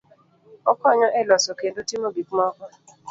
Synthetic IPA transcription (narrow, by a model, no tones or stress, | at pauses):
ɔkɔɲɔʔelɔsokedotimobikuɔka